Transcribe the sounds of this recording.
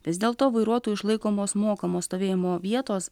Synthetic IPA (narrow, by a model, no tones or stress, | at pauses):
ʋʲɪzʲd̪ʲeːlˠt̪oːʋɐɪɾuɔt̪uːɪʃlˠɐɪkoːmoːsmoːkɐmoːst̪oːʋʲeːjɪmoːʋʲiɛt̪oːs